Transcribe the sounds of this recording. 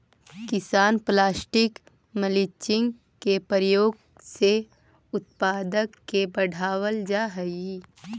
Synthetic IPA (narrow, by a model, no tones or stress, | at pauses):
kɪsaːnplaːsʈɪk | məlɪt͡ʃɪ̃ŋɡ | kepɾjoːɡ | se | ʊt̪̚paːd̪əkːebəɽ̤ʱaːwəld͡ʒaːɦə